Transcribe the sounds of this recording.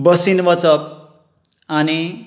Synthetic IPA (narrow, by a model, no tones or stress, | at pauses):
bʌsinbʌt͡sʌp̚ | ani